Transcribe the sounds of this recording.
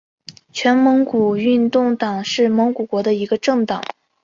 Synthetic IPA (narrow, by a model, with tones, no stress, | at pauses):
t͡ɕʰɥɛ˧˥nmɤ˧˥ŋku˨˩y˥˧nt̪ʊ˥˩ŋt̪ɑ˨˩ŋʂɻ̩˥˩mɤ˧˥ŋku˨˩kwɔ˧˥d̪ə˧i˧˥ɡə˧ʈ͡ʂɤ˥˩ŋt̪ɑ̰˨˩˦ŋ